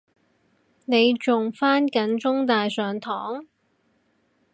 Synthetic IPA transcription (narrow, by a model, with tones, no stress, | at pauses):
ne˨˧jt͡sʊ˨ŋfaː˥nkɐ˨˥nt͡sʊ˥ŋt̪aː˨jsœː˨˩ŋt̪ʰɔː˨˥ŋ